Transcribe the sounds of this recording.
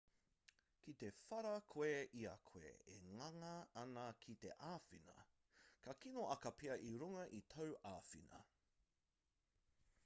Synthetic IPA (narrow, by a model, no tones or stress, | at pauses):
kit̪efɐɾɐkʰoeʔiɐkʰoḛḛŋɐŋɐɐnɐkʰit̪eʔaːfinɐ̰ | kʰɐkinoʔɐkɐpʰeɐʔiɾuŋɐʔit̪ʰɐwʔaːfinɐ̰